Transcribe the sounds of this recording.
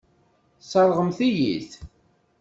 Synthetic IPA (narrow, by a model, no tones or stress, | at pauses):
sˤɑɾˤʁəmθijḭθ